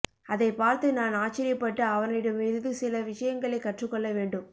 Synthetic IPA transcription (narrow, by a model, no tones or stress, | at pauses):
ɐðɐɪpaːɾt̪ɯnaːnaːt͡ʃːɪɾɪjɐpːɐʈːɯɐʋɐnɪɽɯmɪɻɯðɯsɪlɐʋɪʂɐjɐŋɡɐɭɐɪkːɐʈrɯkːɔɭːɐʋeːɳɖɯm